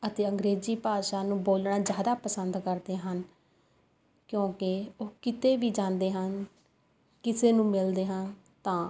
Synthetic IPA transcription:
ət̪eːəŋɡɾeːziːpaːʃaːnũːboːlɳaːzjaːd̪aːpəsənd̪kəɾd̪eːɦən | kjõːkɪoːkɪt̪eːʋiːd͡ʒãːnd̪eːɦən | kɪseːnũːmɪld̪eːɦən | t̪ãː

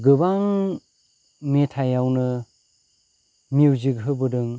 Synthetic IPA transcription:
ɡɯbaŋ | metʰajawnɯ | miwzɯɡɦɯbɯdɯŋ

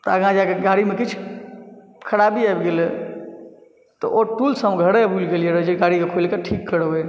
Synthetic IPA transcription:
t̪ɔəɡãd͡ʒakeɡaɽimekit͡ʃʰ | kʰəɽabiajbɡelɛ | t̪ɔʔoʈulsəmɡʱəɽebʱulɡelijeɾəd͡ʒeɡaɽikekʰolkeʈʰikːəɽbe

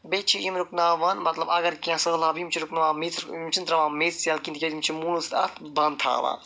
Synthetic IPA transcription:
bet͡ʃʰiimɾuknaːʋɐnmɐt̪lɐbɐɡɐɾkʲãsɐlabimt͡ʃʰiɾuknaʋãːmit̪imt͡ʃʰint̪ɾɐʋãːmet̪sjaːlkint̪ikʲɐd̪imt͡ʃʰimulust̪ɐt̪bɐnt̪ʰa̰ːʋa̰ː

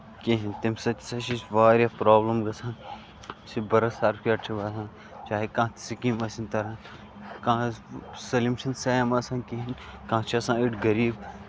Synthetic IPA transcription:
kiɦint̪imsɐsɐʃisʋaːɾjɐpɾoːblɐmɡɐsãːn | sibɐɾɐsaːɾpkʲiɐʈʰiʋɐːsãːn | t͡ʃaːɦekãːt̪i̥sikĩmɐsinʲt̪ɐɾãːn | kãːsɐlimʃɐnsɐːjmɐsãːnkiɦinkãːt͡ʃʰiɐsãːiʈɡɐɾiːb

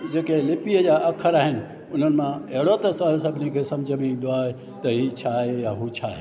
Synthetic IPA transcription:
d͡ʒekelipijəjaʔəkʰːəɾaːɦɪn | ʊnənmãeɽot̪əsaesəbʱnikʰesɐmd͡ʒəbid̪oae | t̪əɦit͡ʃʰaejaɦut͡ʃʰae

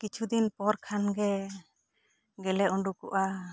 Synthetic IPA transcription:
kit͡ʃʰud̪inpɔɾkʰanɡɛ | ɡɛlɛʔuɳɖukṵʔa

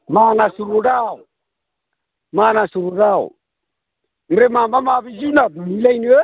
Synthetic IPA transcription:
manasuɾuɾau | manasuɾuɾaṵ | mɾɛmambamaβid͡ʒunamilainiɛ

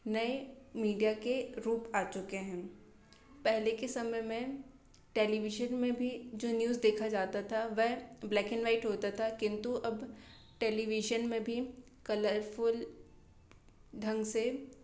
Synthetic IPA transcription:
nɐemiːɖijakeɾuːpaːt͡ʃʊkeɦɛ̃ː | pɛɦlekesɐməjmẽ | ʈeːliʋɪʒənmẽbʱid͡ʒoːnjuːzd̪eːkʰad͡ʒaːt̪at̪ʰaʋɛɦblɛːkɪnʋaːɪʈɦoːt̪at̪ʰakɪ̃nt̪uʔɐb | ʈeːliʋɪʒənmẽbʱi | kɐləɾfʊl | ɖ̪ʱɐ̃ŋɡse

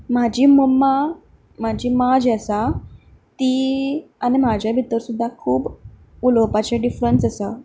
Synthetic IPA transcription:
mad͡ʑʱiːməmːa | m̤ad͡ʑʱiːmad͡ʑəsa | t̪iːañim̤ad͡ʑʱjabʱit̪əɾsud̪ʱːakʰuːb | ulowpat͡ɕaɖifɾənsəsa

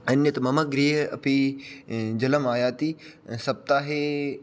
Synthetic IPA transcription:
ɐnjət̪ɐmɐməɡɾiːɦɐ̰pi | d͡ʒɐləmaːjaːt̪iː | sɐb̚t̪aːɦeː

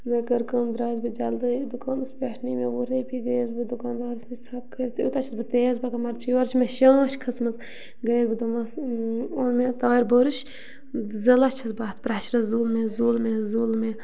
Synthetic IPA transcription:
mekɐɾkɐmd̪ɾaːzbɨd͡ʒɐld̪ɨjd̪ukaːnɨspʲeʈʰnimeʋuɾɐjpiɡɐjzbɨd̪ukaːnd̪aːɾɨsnɨt͡ʃʲt͡sʰɐp̚kəɾit̪ʰut̪at͡ʃʰɐsbɨt̪eːzbɐkɐmɐɾt͡ʃʰiʋaɾt͡ʃʰmeʃãːʃkʰɐsmɐz | ɡɐjzbɨd̪umɐsonmet̪aːɾboɾɨʃ | zɐlɐt͡ʃʰɐsbaːt̪ʰpɾɐʃɾɐzuːlmezuːlmezuːlme

